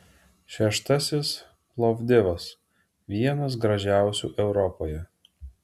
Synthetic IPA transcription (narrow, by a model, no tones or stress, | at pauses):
ʃʲɛʃt̪ɐsʲɪs | plˠɔvd̪ʲɪʋɐs | ʋʲiɛnɐs̬ɡɾɐʒʲæˑʊsʲṵːʔɛʊɾɔpoːjɛ